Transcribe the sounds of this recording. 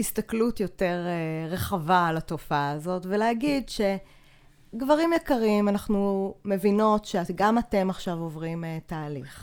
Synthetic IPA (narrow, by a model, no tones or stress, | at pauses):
histaklutjo̞te̞ʁeʁeχavalatofaːzo̞tvelehaɡidʃe̞ | ɡvaʁimjekaʁimanaχnume̞vino̞tʃeaɡamate̞maχʃavovʁimtaːliχ